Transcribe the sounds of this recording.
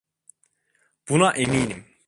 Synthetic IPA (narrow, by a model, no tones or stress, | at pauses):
b̥unɑʔemiːnim